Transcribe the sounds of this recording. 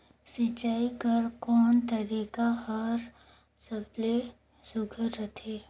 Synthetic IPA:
sɪt͡ʃaːikɐɾkɔːnt̪ɐɾiːkahɐɾ | sɐble | sʊɡʱəɾːɐt̪ʰeː

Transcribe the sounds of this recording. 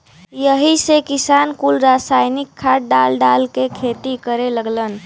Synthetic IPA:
jəɦisekisankulɾasajnikʰːaʈ̚ɖalɖalkekʰet̪ikəɾeləɡlən

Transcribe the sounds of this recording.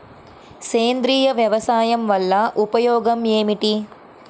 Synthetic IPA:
seːnd̪ɾiːjɐʋjɐʋɐsaːjɐmʋɐlːɐʔupɐjoːɡɐmeːmiʈi

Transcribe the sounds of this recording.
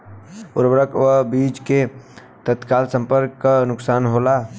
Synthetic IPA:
ʊɾbɾəkʋəbiːd͡ʒke | t̪ət̪kaːlsə̃mpəɾkːanʊksaːnɦoːlaː

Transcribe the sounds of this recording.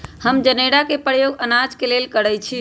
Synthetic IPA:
həmd͡ʒəneɽakepəjoɡənad͡ʒkelelkəɽət͡ʃʰi

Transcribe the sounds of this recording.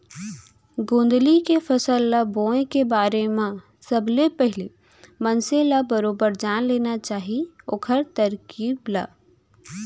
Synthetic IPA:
ɡõːnd̪likefɐsəlːabõːẽkebaːɾemã | səblepɛɦɪle | mənselabəɾoːbəɾd͡ʒaːnleːnat͡ʃaːɦi | oːkʰəɾt̪əɾkiːbla̰ː

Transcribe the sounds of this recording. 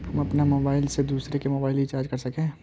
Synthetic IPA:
ɦɐmɐpnamoːbaːɪlsed̪uːsɾekemoːbaːɪlɦit͡ʃaːɾd͡ʒkɐɾsɐkẽː

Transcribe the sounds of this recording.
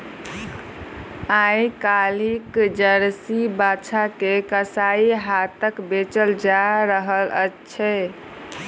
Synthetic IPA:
ajkalikd͡ʒəɾsibat͡ʃʰakekəsaiɦat̪əkbet͡ʃəld͡ʒaɾəɦələtːt͡ʃʰɛ

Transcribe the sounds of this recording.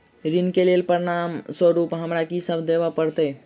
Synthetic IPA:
ɾinkelelpəɾinamsəɾupɦəmɾakisəbʱd̪ebapəɾt̪ə

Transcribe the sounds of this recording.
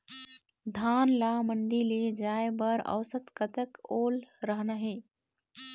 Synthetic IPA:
d̪ʱaːnlaməɳɖiled͡ʒaːebəɾə̰ʋsət̪kət̪əkoːlɾəɦnaɦeː

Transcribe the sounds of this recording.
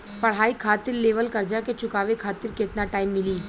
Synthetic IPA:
pɐɽ̤aːikʰaːt̪ɪɾleːʋəlkɐɾd͡ʒaket͡ʃʊkaːʋekʰaːt̪ɪɾket̪naʈaːɪmːɪliː

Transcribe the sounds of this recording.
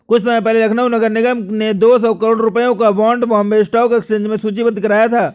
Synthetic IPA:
kʊt͡ʃʰs̬ɐməjpɛɦlelɾɐkʰnaɦunɐɡəɾnɪɡəmned̪oːsɔːkɐɾoːɽɾʊpəjõkaʋɔ̃ːɳɖbɔːmbeːsʈɔːkekst͡ʃẽːnd͡ʒmẽsuːt͡ʃibə̃d̪kɐɾaːjat̪ʰaː

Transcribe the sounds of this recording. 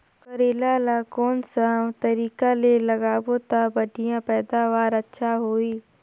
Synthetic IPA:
kəɾeːlalaːkɔːnsat̪əɾiːkaleləɡaːbot̪abəɖʱɪjãpɛːd̪aːʋaːɾətːʃʰaɦoːiː

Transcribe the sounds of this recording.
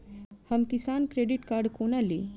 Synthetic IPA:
hɐmkisaːnkɾeːɖiʈkaːɾɖkoːnali

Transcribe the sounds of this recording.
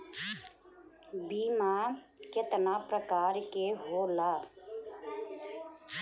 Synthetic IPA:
biːma | kjet̪napɾəkaːɾkeɦoːlaː

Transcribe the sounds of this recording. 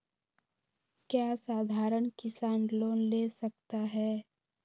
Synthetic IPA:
kjaːsaːd̪ʱaːɾəɳkɪsaːnloːnlesɐk̚t̪aɦɛː

